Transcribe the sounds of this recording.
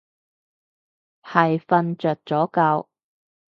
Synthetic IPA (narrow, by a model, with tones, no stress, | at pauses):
hɐ˨˩jfɐ˧nt͡ʃœː˨˩t̚t͡sɔː˨˥kɐ˧w